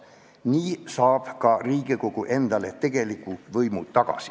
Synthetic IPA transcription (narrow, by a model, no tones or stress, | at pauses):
niːsɑːb̥kɑriːɡ̥iko̞ɡ̥uʔe̞nd̪̥ɑle̞t̪e̞ɡ̥e̞likːˑuvɤjmut̪ːɑɡ̥ɑ̰si̥